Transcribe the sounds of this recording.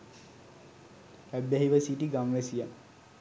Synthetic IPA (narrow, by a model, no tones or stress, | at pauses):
æbaɦiʋəsiʈiɡamʋɛsija